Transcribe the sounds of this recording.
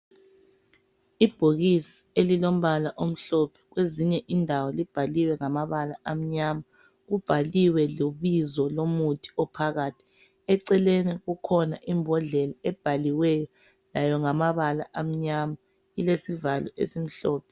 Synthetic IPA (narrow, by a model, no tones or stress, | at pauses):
ib̥ʱoɣisi̥elilom̩βalaʔom̩ɬɔpʰɛ̥ɣweziɲɛʔindʱawɔlib̥ʱaliwɛŋamaβala̰ʔam̩ɲama | ɣub̥ʱaliwɛloβizɔlomutʰi̥ɔpʰaɣaːtʰi̥ | ɛǀɛlenɛɣukʰɔna̰ʔimbʱɔɮɛlaɛb̥ʱaliwɛjɔ | lajɔŋamaβala̰ʔam̩ɲama | ilesivalɔ̰ʔḛsim̩ɬɔːpʰɛ